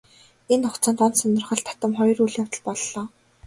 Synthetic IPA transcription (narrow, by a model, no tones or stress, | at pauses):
enʊχt͡sʰăːnt̪ɔnt̪sɔnɞ̆rχə̆ɮt̪ʰḁt̪ə̆mχɔjɞ̆ruɮjawt̪ə̆ɮpɔɮːɔː